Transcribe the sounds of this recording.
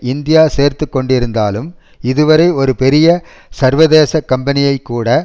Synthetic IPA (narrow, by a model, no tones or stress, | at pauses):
ɪnd̪ɪjaːseːɾt̪ɯkːɔɳɖɪɾɯnd̪a̰ːlɯm | ɪðɯʋɐɾɐɪɔɾɯpɛɾɪjɐ | sɐɾʋɐðeːsɐkːɐmbɐnɪjɐɪkːuːɽɐ